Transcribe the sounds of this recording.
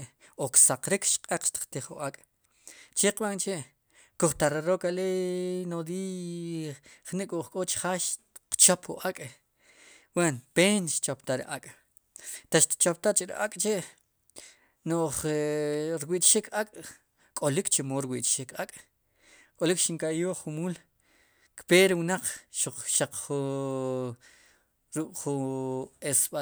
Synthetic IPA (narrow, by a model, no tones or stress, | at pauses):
oksaqɾikʃqʼeq͡χʃt̪i̥qt̪iχṵʔakʼ | t͡ʃeqɓant͡ʃeʔ | kuχt̪aɾeɾokalenod̪iː | χniʔkʼuʔχkʼot͡ʃi̥χaʃ | qt͡ʃopχṵʔakʼ | wenpeːnʃt͡ʃopt̪aɾḭʔakʼ | t̪aʃt̪i̥t͡ʃop̚t̪at͡ʃʼiɾḭʔa̰kʼt͡ʃeʔ | noχ | ɾwiʔt͡ʃʃikʰakʼ | kʼolikt͡ʃemoːɾwiʔt͡ʃʃikakʼ | kʼolikʃiŋkajoːχumuːl | kpeːɾiwnaq͡χʃuq͡χʃaq͡χχu | ɾukʼχu | esɓa